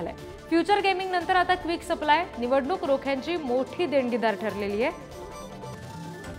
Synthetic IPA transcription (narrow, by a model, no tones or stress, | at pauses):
lḛ | fjut͡ɕəɾɡemiŋɡnənt̪əɾat̪akʋiksəplajniʋəɽɳuːkɾokʰjaɲt͡ɕiːmoʈʰiːd̪eɳɡid̪aɾʈʰəɾleliːje